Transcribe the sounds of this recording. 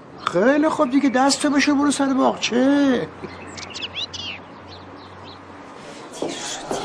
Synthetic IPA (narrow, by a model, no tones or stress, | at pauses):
xejlixob̚d̪iɡʲed̪æst̪ʰobeʃebuɾusæɾebɒːʁt͡ʃʰe